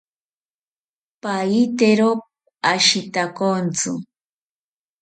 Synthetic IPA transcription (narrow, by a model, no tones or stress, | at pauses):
pajit̪eɾop̚ | aʃɪt̪akont͡sʊ̰